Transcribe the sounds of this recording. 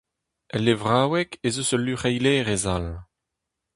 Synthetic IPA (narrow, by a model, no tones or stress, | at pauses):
ɛlːevʁaːwɛkezosəlyχɛjlɛːʁezal